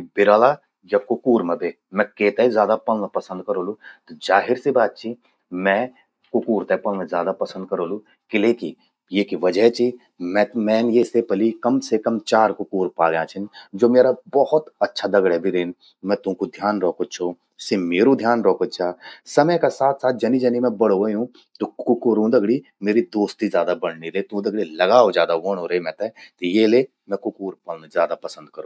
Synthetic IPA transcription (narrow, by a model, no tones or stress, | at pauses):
bɪɾaːla | jakʊkuːɾmẽbʱe | mɛ̃keːt̪ezjaːd̪apɐlnapɐsə̃nd̪̚kɐɾoːlut̪od͡ʒaːɦɪɾsebaːt̪̚t͡ʃʰi | mɛ̃ | kʊkuːɾt̪ɛpɐlnẽzjaːd̪apɐsə̃nd̪̚kɐɾoːlu | kɪleːki | jeːkiʋɐd͡ʒəɦt͡ʃi | mɛ̃mɛ̃ːnjesepəlikɐmsekəmt͡ʃaːɾkʊkuːɾpaːɡjãt͡ʃʰɪnd͡ʒoːmeːɾabɔhʊt̪ɐtːʃʰad̪ɐɡɽɦɛbʱiɾeːn | mɛ̃t̪ʊ̃kod̪ʱjaːnɾɔːkot͡ʃʰo | semeːɾũd̪ʱjaːnɾɔːkəd̪t͡ʃʰaːsɐməjkasaːt̪ʰsaːt̪̚d͡ʒɐnid͡ʒɐnimẽbɐɽ̤oəɦũ | t̪okʊkuːɾũd̪ɐɡɽi | meːɾid̪oːst̪izjaːd̪abɐɽnilet̪ũd̪ɐɡɽilɐɡaːod͡ʒjaːd̪aʋoːnɦoɾɐemɛ̃ːt̪et̪jeːle | mɛ̃kʊkuːɾpəlnzjaːd̪apɐsə̃nd̪̚kəɾũː